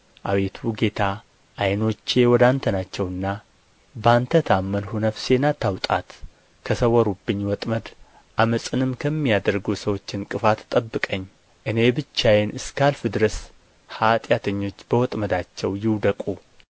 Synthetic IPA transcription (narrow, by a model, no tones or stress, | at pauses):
ʔawe̞t̪ʰuɡe̞t̪ʰa | ʔːjno̞t͡ʃːe̞wɔd̪ant̪ʰənat͡ʃːɛwɨnːa | bant̪ʰət̪ʰamːənhunəfse̞nat̪ʰːawt̪ʼa̰t̪ | kʰəsəwɔɾubːɨɲːwɔt̪ʼməd̪ | ʔaməsʼɨnɨmkʰəmːijad̪əɾɡusəwo̞t͡ʃːɪnkʼɨfat̪ʰt̪ʼəbːɨkʼəɲː | ʔɨne̞bɨt͡ʃːajenɨskʰalfɨd̪ɨɾəs | hat̪ʼjat̪ʰəɲːo̞t͡ʃːbəwɔt̪ʼməd̪at͡ʃːɛwjɪwd̪əkʼu